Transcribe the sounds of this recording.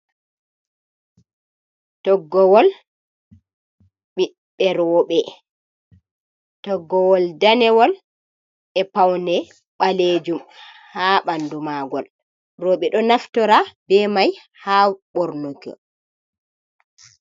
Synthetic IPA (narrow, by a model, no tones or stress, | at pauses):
tɔɡːɔwɔl | ɓi | ɓɛɾɔɓɛ | tɔɡːɔwɔldanɛwɔl | ɛpawndɛ | ɓaled͡ʒum | haɓandumaːɡɔl | rɔɓɛɗɔnaftɔɾabɛmaj | haɓɔɾnoɡɔ̰